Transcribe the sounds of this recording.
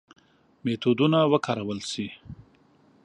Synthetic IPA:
met̪od̪unawəkʰɑɾawəlsi

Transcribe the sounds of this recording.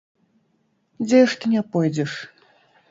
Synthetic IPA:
d͡zʲɛjɛʂt̪ɨnʲɛpɔjd͡zʲɛʂ

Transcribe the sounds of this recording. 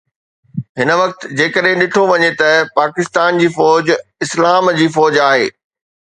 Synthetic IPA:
ɦɪnə̆ʋɐk̚t̪d͡ʑeːkəɗɦɪ̃ɗɪʈʰoʋɐɲet̪ɐpaːkɪst̪aːnd͡ʑiːfɔːd͡ʑɪslaːmd͡ʑiːfɔːd͡ʑaːɦeː

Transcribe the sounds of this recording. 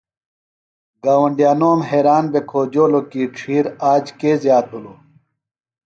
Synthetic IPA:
ɡaːwɐɳɖijaːnoːmɦeːɾaːnbekʰoːd͡ʑoːlokiːʈ͡ʂʰiːɾaːd͡ʑkeːzjaːt̪̚ɦuloː

